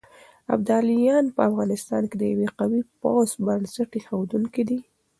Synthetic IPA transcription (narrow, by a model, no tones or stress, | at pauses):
a̰b̚d̪ɑlijɑnpəafɣɑnɪst̪ɑ̰nked̪əjaweqawipɑsbansaʈexawd̪uŋkid̪i